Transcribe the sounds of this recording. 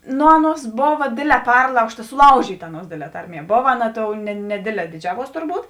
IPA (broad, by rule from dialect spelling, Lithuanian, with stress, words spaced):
ˈnʊ ˈɑːˌnuɔs ˈboːʋɐ ˈdʲeːdʲˌlʲɛː ˈpʲɛrlˠɐʊʃtɐ sʊˈlˠɐʊʒʲiːtɐ ˈɑːˌnuɔs ˈdʲeːdʲˌlʲɛː ˈtɐrʲˌmʲiɛ ˈboːʋɐ ˈɑːˌnɐ ˈtoːʊ nʲɛ nʲɛˈdʲeːdʲˌlʲɛː dʲɪˈd͡ʒʲæːʋuɔs tʊrˈbuːt